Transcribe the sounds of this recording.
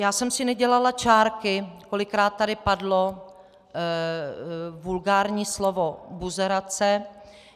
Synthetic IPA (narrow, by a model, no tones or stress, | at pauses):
jaːsɛmsɪnɛɟɛlalat͡ʃaːɾkɪko̞lɪkɾaːt̪̚ːadɪpadlo̞ | vulɡaːɾɲiːslovo̞buzɛɾat͡sɛ